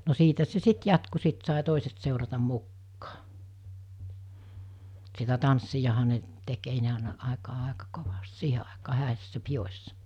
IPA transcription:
no siːtæ se sit jɑtku sit sɑˑi toˑiset seˑurɑtɑm̆ mukːɑː sitæ tɑnsːijɑhɑ ne tek ei ne ɑˑenɑ ɑˑekɑː ɑˑekɑ koʋɑst siːhe ɑˑekɑː hæˑesːæ pijosʲsɑ

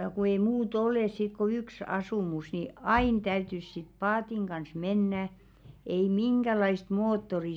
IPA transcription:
ku ei muːt oleˑs sit ko yks ɑsuˑmus ni ɑiˑn tæytys sit pɑːtiŋ ɡ̊ɑns menːæ ei miŋɡ̊ælɑist moːtːori

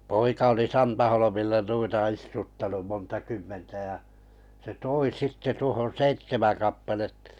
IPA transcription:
poikɑ oli sɑntɑholomilːɑ nuitɑ istutːɑnum montɑ kymːentæ jɑ se toi sitːe tuohon̞ seitːemæŋ kɑpːɑletːɑ̥

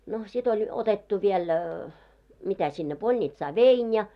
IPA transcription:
no sit olʲ otetːu ʋiel mitæ sinːe polnʲitsɑː ʋein jɑ

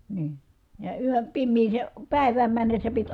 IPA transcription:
niː jɑ yøn̞ pimːiːseˑ pæˑi̯ʋæːm mænːesːæ pit

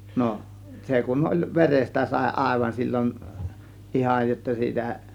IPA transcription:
no se kun olʲ ʋerestæ sɑˑe̝ ɑˑe̝ʋɑn silʲːon ihɑj jotːɑ siːtæ

